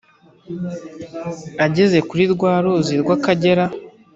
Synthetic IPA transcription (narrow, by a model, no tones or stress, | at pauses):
aɟe̞ze̞kuɾiɾɡwaːɾoziɾɡwakaɟe̞ɾa